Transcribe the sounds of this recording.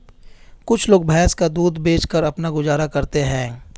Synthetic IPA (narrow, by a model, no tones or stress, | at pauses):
kʊt͡ʃʰloːɡ̚bʱɛ̃ːskad̪uːd̪beːt͡ʃkəɾɐpnaɡʊzaːɾakɐɾt̪eɦɛ̃ː